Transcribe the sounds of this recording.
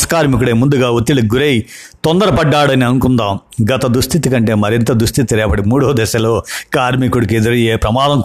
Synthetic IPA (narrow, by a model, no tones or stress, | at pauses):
sɐ̥kaːɾmikuɽeːmund̪uɡaːot̪ːilɐɡuɾeji | t̪ɔnd̪ɐɾɐpɐɖːaːɽɐniɐnukund̪aːm | ɡɐt̪ɐd̪ɾust̪ʰit̪ikɐɳʈe̞ːmɐɾint̪ɐd̪ɾust̪ʰit̪iɾɛːpɐɽimuːɽoːd̪ɛʃɐloːkaːɾmikuɽikied̪ɐɾɐjeːpɾɐmaːd̪ɐm